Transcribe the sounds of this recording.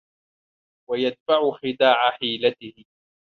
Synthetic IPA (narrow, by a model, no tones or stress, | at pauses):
wajad̪̚faʕʊxɪd̪aːʕaħiːlat̪ɪhɪ